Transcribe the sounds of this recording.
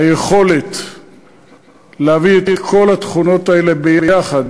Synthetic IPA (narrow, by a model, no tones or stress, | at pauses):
ajeχo̞le̞t̪ | leavietkʰo̞lat̪χuno̞t̪aele̞bejaχad̪